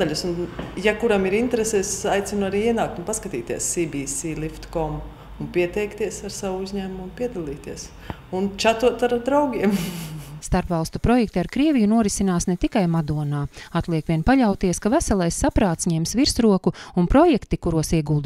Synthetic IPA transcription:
d̪aʎʲusunjakuɾamiɾint̪ɾesɛːsajt̪sʲinuaɾiːiɛnaːk̚t̪unpaskat̪iːt̪iɛ̰sːibisilˠift̪kɔm | unpʲiɛt̪ɛjkt̪iɛsaɾsaʋuuzɲæːmumunpiɛd̪alˠiːt̪iɛs | unt͡ʃat̪uɔt̪aɾd̪ɾawɡʲiɛmst̪aɾpvalˠst̪upɾɔjɛk̚t̪iaɾkɾiɛvʲijunuɔɾisinaːsnɛt̪ikajmad̪uɔnaːat̪lˠiɛkʋʲiɛnpaʎawt̪iɛskavæsalˠajsːapɾaːt̪sɲɛmsʋiɾsɾuɔkuunpɾɔjɛkt̪ikuɾuɔsiɛɡulˠd̪

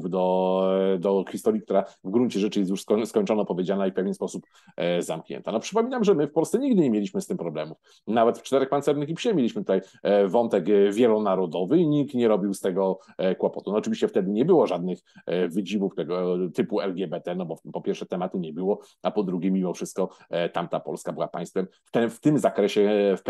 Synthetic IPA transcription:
vd̪ɔ | d̪ɔxʲist̪ɔɾʲjik̚t̪uɾavɡɾunt͡ɕɛʐɛt͡ʂɘjɛt̪juʂskskɔɲt͡ʂɔnɔpɔvʲjed͡ʑanaifpɛvʲjɛnspɔsup | za̰mkɲɛ̰nt̪anɔpʂɘpɔmʲinamʐɛmɘfpɔlst̪sɛɲiɡd̪ɘɲemʲjelʲiɕmɘst̪ɘmpɾɔblɛmuf | navɛt̪ft͡ʂt̪ɛɾɛxpant̪sɛɾnɘxʲipɕɛmʲelʲiɕmɘt̪ut̪aj | vɔnt̪ɛkvʲjɛlɔnaɾɔd̪ɔvɘiɲikt̪ɲɛɾɔbʲiwst̪ɛɡɔ | kwɔpɔt̪unɔːt͡ʂɘvʲiɕt͡ɕɛft̪ɛd̪ɘɲɛbɘwɔʐad̪̚nɘxvɘd͡ʑivuft̪ɛɡɔt̪ɘpuɛlɡʲɛbɛt̪ɛnɔbɔpɔpʲjɛɾfʂɛt̪ɛmat̪uɲɛbɘwɔ | apɔd̪ɾuɡʲɛmʲimɔfʂɘst̪̚kɔt̪amt̪apɔ̰lskabɘwapã̰j̃st̪fɛmft̪ɛft̪ɘmzakɾɛɕɛf

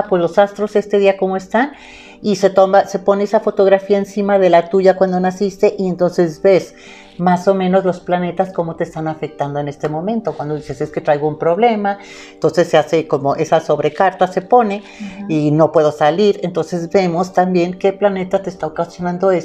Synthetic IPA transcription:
pwe̞zlo̞sast̪ɾo̞se̞st̪e̞ðiako̞moe̞st̪an | ise̞t̪omase̞po̞neesafo̞t̪o̞ɣɾafiaensimaðe̞lat̪uʝakwand̪o̞nasist̪e̞ʔie̞nt̪o̞nse̞zbe̞s | maso̞mẽno̞zlo̞splane̞t̪asko̞mo̞t̪est̪anafe̞k̚t̪and̪oe̞ne̞st̪e̞mõ̞mẽ̞nt̪o̞kwand̪o̞ðise̞se̞ske̞t̪ɾajɣoumpɾo̞βle̞ma | ent̪o̞nse̞sːease̞ko̞mo̞ʔe̞saso̞βɾe̞kaɾt̪ase̞po̞ne̞ | ino̞pwe̞ðo̞saliɾe̞nt̪o̞nse̞zbe̞mo̞st̪ambje̞ŋke̞plane̞t̪at̪e̞ːst̪aokasjonãnd̪o̞e

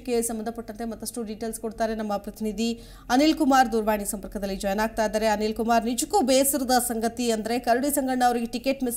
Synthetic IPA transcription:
kːesɐmbɐnd̪ʰʱɐpɐʈːɐnt̪e̞mɐt̪ːɐʂʈuɖiːʈeːlskoɽt̪aːɾenɐmːɐpɾɐt̪ʰinid̪ʱi | ɐniːlkumaːɾd̪uːɾʋaːɳisɐmpɐɾkɐd̪ɐlːid͡ʒɔjɐnaːɡ̚t̪aːjd̪aːɾe̞ɐniːlkumaːɾnid͡ʒukːuːbeːsiɾɐd̪ɐsɐŋɡɐt̪iɐnd̪ɐɾe̞kɐɾuɽisɐŋɡɐɽɐɳɐːʋɐɾiɡeʈike̞ːʈmis

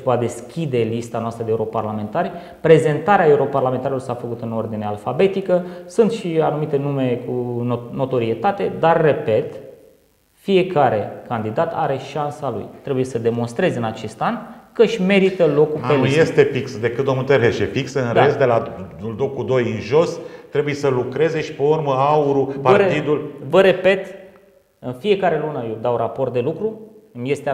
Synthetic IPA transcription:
pad̪e̞skʲid̪e̞list̪anoast̪ɾəd̪euɾo̞parlame̞nt̪aɾʲ | pɾe̞ze̞nt̪aɾeae̞uɾo̞parlament̪aɾilo̞rsafəkut̪ɨno̞rd̪inealfabe̞t̪ikəsunt̪ʃianumit̪e̞nume̞kuno̞t̪o̞ɾie̞t̪at̪e̞d̪arːe̞pe̞t̪ | fije̞kaɾe̞kand̪id̪at̪aɾe̞ʃansalṵjt̪ɾe̞buje̞səd̪e̞mo̞nst̪ɾe̞zɨnat͡ʃe̞st̪ankəʃʲme̞ɾit̪əlo̞kupelnuje̞st̪e̞fiksd̪e̞kɨt̪̚d̪omnult̪eɾeʃefiksəɨnɾest̪d̪e̞lauld̪okud̪o̞jɨnʒo̞st̪ɾe̞buje̞səlukɾe̞zeʃi̥pe̞urməauɾupat̪id̪ulvəɾe̞pe̞t̪ | ɨnfie̞kaɾe̞lunəjewd̪awrapo̞rt̪̚d̪e̞lukɾuɨmje̞st̪e

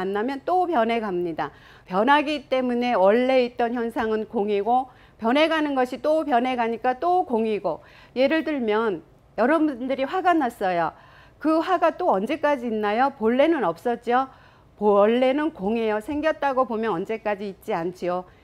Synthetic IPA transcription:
anːamjʌnt͈opjʌnɦe̞ɡamɲida | pjʌnɦaɡit͈e̞mune̞wʌɭːe̞it̚t͈ʌnçjʌnsʰaŋɯnkoŋiɡo | pjʌne̞ɡanɯnɡʌɕʰit͈opjʌnɦe̞ɡaɲik͈at͈okoŋiɡo | je̞ɾɯɭtɯɭmjʌn | jʌɾʌbundɯɾiɸwaɡanas͈ʌjo | kɯɸwaɡat͈oʌnd͡ʑe̞k͈ad͡ʑiːnːajopoɭːe̞nɯnʌp̚s͈ʌt̚t͡ɕ͈io | pʌɭːe̞nɯnkoŋejosʰe̞ŋɡjʌt̚t͈aɡobomjʌnʌnd͡ʑe̞k͈ad͡ʑiːt̚t͡ɕ͈iant͡ɕʰijo

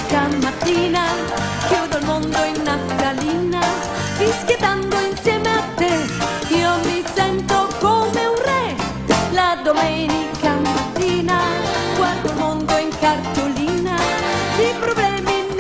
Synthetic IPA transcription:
kamat̪ina | kud̪olmõnd̪oinːaskalina | visket̪and̪oinsjɛmeat̪ːe | iomisɛnt̪okomeunrɛ | lad̪omɛnikamat̪inakwand̪olmond̪oeŋkaɾt̪olinalipɾoblɛmin

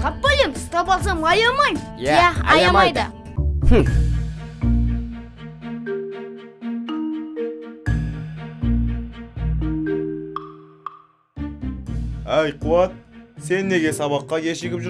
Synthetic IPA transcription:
qʰɑp̚bɵle̞mɪst̪ɑpɑlˠs̬ɑmʁɑjɑmɑjjææɑjɑmɑjjd̪ə̰ | h̩ | æjqʰuwɑt̪̚se̞nːe̞ɡʲe̞sɑβɑqːɑjʲeʃɪkʲɪpʒɪ

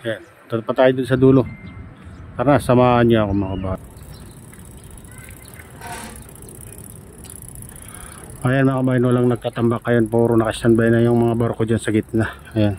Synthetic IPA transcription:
jan | t̪ɐpɐt̪aːjod̪ʊnsɐd̪uːlo | pɐɾasɐmaːʔɐnɲoɐkomɐkɐbaː | ʔajanmɐakɐbaːjɐnwɐlaŋnɐɡ̚t̪aːt̪ɐmbakːɐjonpuːɾonɐkɐst̪ɐnbajnɐjʊŋmɐŋabɐɾkod͡ʒansɐɡɪt̪̚naʔɐjan

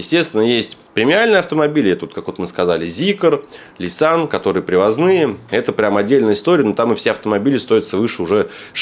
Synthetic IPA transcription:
jɪsʲtʲest̪vʲɪnːəjesʲtʲpɾʲɪmʲɪalʲnəjɐft̪əmɐbʲilʲɛt̪əot̪kakvo̞t̪mɨskɐzalʲɪzʲikər | lʲɪsankɐt̪o̞ɾɨjəpɾʲɪvɐznɨjəɛt̪əpɾʲamɐdʲːelʲnəjəɪst̪o̞ɾʲɪənot̪amɨfsʲeɐft̪əmɐbʲilʲɪst̪o̞jɪt̪səvɨʂɨʊʐɛ

